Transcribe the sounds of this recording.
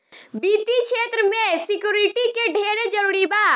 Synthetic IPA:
biːt̪ikʃʰeːt̪ɾəmẽsɪkjuːɾɪʈikeɖʱeːɾed͡ʒəɾuːɽibaː

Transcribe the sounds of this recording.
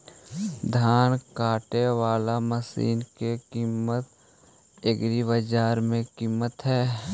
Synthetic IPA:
d̪ʱaːnkaːʈeʋaːlaməsḭːnkekiːmət̪̚ | ɪɡɾibəd͡ʒaːɾmẽkiːmət̪ɦɛː

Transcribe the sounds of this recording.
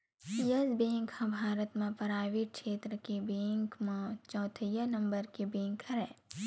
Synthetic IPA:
jɐzbẽːŋkhãbʱaːɾət̪mẽpɐɾaːʋikʃeːt̪ɾəkebẽːŋkmẽt͡ʃɔ̃ːt̪ʰəjənɐ̃mbəɾkebẽːŋkʰɐɾɛ̃ː

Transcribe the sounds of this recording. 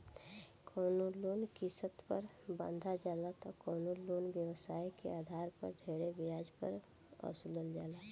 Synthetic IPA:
kʰɔːnoloːnkisət̪pəɾbã̰nd̪ʱad͡ʒaːlat̪ɔkɔːnoloːnbjəwəsaːikḛaːd̪ʱaːɾpə̰ɾd̪ʱeːɾebɪjaːd͡ʒpəɾɔ̰ːsuləld͡ʒaːla

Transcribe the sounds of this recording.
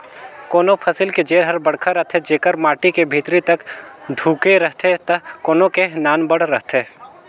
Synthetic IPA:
koːnopʰɐsɪlked͡ʒeːɾɦɐɾbɐɽ̤kʰaɾɐɦt̪ʰed͡ʒeːkəɾmaːʈikebʱiːt̪ɾit̪ɐkɖʱuːkeɾɐɦt̪ʰet̪ɐkoːnõkenaːnbɐɽ̤ɾɐɦt̪ʰe

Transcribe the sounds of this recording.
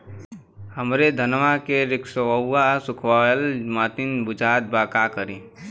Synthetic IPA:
həmɾed̪ʱənʋakeɾɪksəwəwːasʊkʰwaːjəlmaːt̪ɪnbʊd͡ʒaːd̪̚baːkakəɾiː

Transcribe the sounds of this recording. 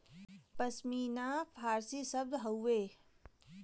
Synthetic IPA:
pəsmiːnapʰaːɾsisəb̚d̪ɦɐuʋeː

